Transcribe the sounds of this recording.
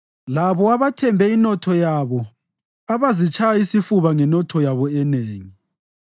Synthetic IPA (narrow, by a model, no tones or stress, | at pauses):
laβɔaβatʰɛmbʱɛinɔtʰɔjaβɔ | aβazit͡ʃʰajaisifuβaŋɛnɔtʰɔjaβɔɛneːŋi